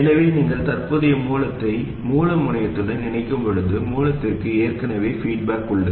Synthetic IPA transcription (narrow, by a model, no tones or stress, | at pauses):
ɛnɐʋeːniːŋɡɐɭt̪ɐrpɯðɪjɐmuːlɐt̪ːɐɪ | muːlɐmʊɳɐjɐt̪ːɯlːɯnɪnɐɪkːɯmpɐɻɯðɯmuːlɐt̪ːɪrkɯeːrkɐnɐʋeːfiːʈ̚baːkːʊɭɖɐɯ